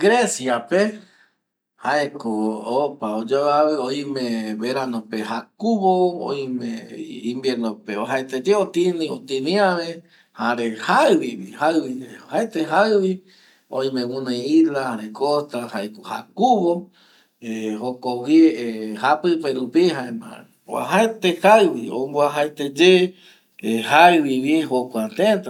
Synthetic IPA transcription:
ɡɾesjape | haekoopaod͡ʒoaβeoj̃mẽβeɾanõpehakuβoo̰j̃mẽĩmbjeɾnopeoɦaet̪ed͡ʒeot̪ĩnĩot̪ĩnĩaβe | haɾehaɨβiβihaɨβiohaet̪eɦaβi | õ̰ĩmẽwũnẽilahaɾekost̪ahaekoha̰kuβo | ehokowjeehapɨpeɾupihaẽma̰ | oa̰ɦaet̪ehaɨβio̰mboaɦaet̪ed͡ʒe | ehaɨβiβiɦokʷat̪ẽt̪a

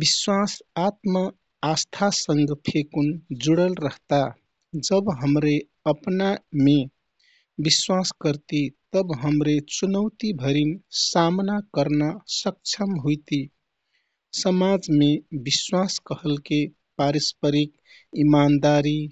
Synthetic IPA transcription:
biswasat̪mə | ast̪ʰasəŋɡpʰekund͡ʒuɽəlɾəɦt̪a | d͡ʒəbɦəmɾe | əpname | biswaskəɾt̪it̪əbɦəmɾet͡ʃunəwt̪ibʱəɾinsamnakəɾnasək̚t͡ʃʰəmɦujt̪i | səmad͡ʒmebiswaskəɦəlke | paɾispəɾik̚ | imand̪aɾi

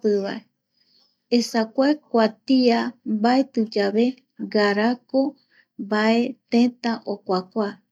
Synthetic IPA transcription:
pɨβae | esakʷaekʷat̪iambaet̪ɨd͡ʒaβe̞ | ɡaɾako | baet̪ẽt̪aʔokʷakʷa

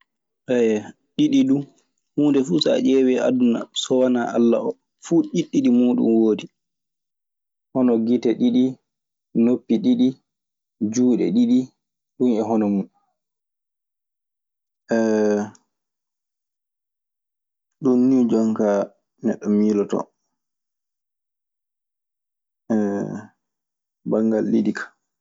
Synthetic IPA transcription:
ʔɛ | ɗiɗidu | huːndɛfuːsa̰ʔɛwɛʔaduna̰sɔwanaʔa̰lːa̰ɔ | fuːʔiɗːiɗimuːɗṵnwoːdi | hɔnɔɡitɛɗiɗi | nopːiɗiɗi | d͡ʒuːɗɛ̰ɗiɗi | ɗunɛɦɔnɔmu | ʔɛ | ɗunːid͡ʒɔŋka | nɛɗːɔmiːlɔtɔ̰ | ɛ | baŋɡalːiɗikʰḁ

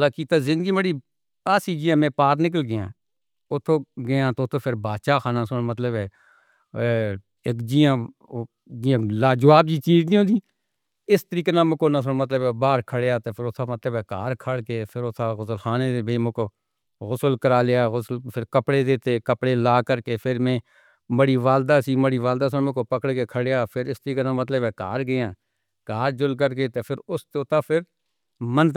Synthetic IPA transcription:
laːkiːt̪aːzɪ̃nd̪əɡiːbəɽiː | aːsiːd͡ʒiãːmẽːpaːɾnɪk̬əlɡɪjã̰ː | ʊt̪ʰːõːɡɪjãːt̪oːt̪ʰõːpʰɪɾbaːd̪ʃaːxʰaːnãːsʊɽ̃mət̪ləbɛː | eːkd͡ʒiːãː | d͡ʒiãlaːd͡ʒəʋaːb̚d͡ʒiːt͡ʃiːd͡ʒd̪ĩõːd̪iː | ɪst̪əɾiːkeːnãːmʊkoːnãːs̬ʊɽ̃mət̪̬ləbɛbaːɾkʰəɽejaːt̪oːpʰɪɾot̪ʰaːmət̪ləbɛːkaːɾkʰəɽkeːpʰɪɾʊt̪ʰaːɣʊsəlxaːneːd̪eːbeimʊ̃koː | ɣʊsəlkəɾaːlejaːɣʊsəlpʰɪɾkəpɽeːd̪eːt̪eːkəpɽeːlaːkəɾkeːpʰɪɾmẽː | məɽiːʋaːld̪aːsiːməɽiːʋaːld̪aːs̬əmẽkoːpəkəɽkeːkʰəɽejaːpʰɪɾɪst̪əɾiːkeːnãːmət̪ləbɛːka̰ːɾɡɪãː | kaːɾd͡ʒʊlk̬əɾkeːt̪epʰɪɾʊst̪ot̪aːpʰɪɾ | mənt̪

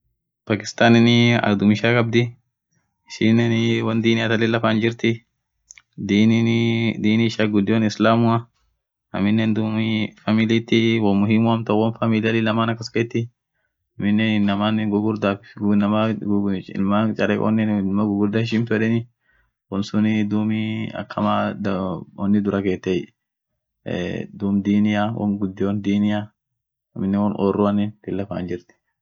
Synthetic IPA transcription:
paːkɪ̥st̪aːnɪnɪɐ̰d̪ʊmɪʃaːkʼɐb̚d̪ɪ | ɪʃɪnɛnwɐnd̪iːnɪɐt̪ɐlɛlɐfaːnd͡ʒɪɾt̪ɪ | d̪ind̪iːniɪʃaːɡʊd̪ːɪwɐnɪslaːmʊɐ | ɐ̰mɪnːɛnd̪ʊmfamɪliːt̪ːɪwɐmʊɦɪmːʊɐmt̪ɐwɐnfamɪlalɪlɐmaːnɐkːɐskejt̪ːɪ | ɐmɪnːɛnɪnːɐmanɡʊɡʊɾd̪anɐma | ɪ̰lmat͡ʃʼɐɾɛːʔɔ̰nːɛnɪlmɐɡʊɡʊɾd̪ɐɪʃ̬ɪnfɛᶑɛnɪ | wɔnsʊnɪd̪uːmiɐ̰kʰːɐmad̪ɔnːɪd̪ʊɾɐkeːt̪ːɛj | d̪uːmd̪iːnɪjawʔɔ̰nɡʊd̪ːɪwɔnd̪iːnɪja | ɐmːɪnːɛnwɔnʔɔrːʊɐnɛnt̪ɪlːɐfa̰ːnd͡ʒɪɾt̪ɪ̥

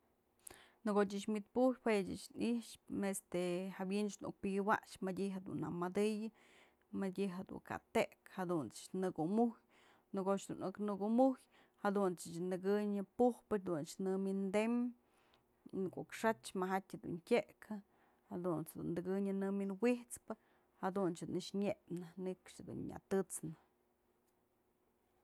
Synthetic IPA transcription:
nɨɡot̬ʲɨt͡ʃmit̪̚pujhweʔt͡ʃɨ̰t͡ʃniʂest̪ehabjint͡ʃnṵk̚pɨɡɨwa̰ʔʂmadʲiɦed̪ṵnːamad̪ɨjɨ | madʲiɦed̪ṵŋka̰t̪eʔkhad̪unt͡sɨ̥t͡ʃnɨɡumuhj | nɨɡot͡ʃd̪unɨknɨɡuʔmuj | had̪unt͡sɨt͡ʃnd̪ɨɡɨɲɨpuhpɨd̪unt͡ʃnɨmind̪em | nɨkoʔkʂat͡ʃmaɦatʲhed̪ṵntʲeʔkʰɨ | had̪unt͡shd̪ṵnd̪ɨɡɨɲɨnɨminwiht͡spɨ | had̪unt͡ʃd̪unɨʂɲeʔnɨnɨkʂhed̪ṵnɲa̰t̪ɨt͡snɨ

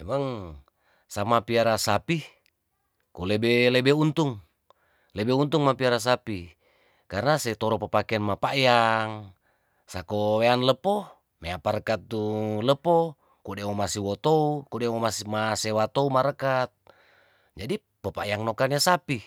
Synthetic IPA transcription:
ɛmaŋ | samapiaɾasapi | kulebelebeunt̪uŋ | lebeunt̪uŋmapiaɾas̬api | karnaset̪ɔɾɔpəpakeanmapajaŋ | sakoweanləpo | meapaɾəkat̪ːuləpɔ | kudemomasiwɔt̪oukudemomasmasewat̪oumaɾəkat̪̚ | d͡ʒadi | pəpajaŋnokaniasapi

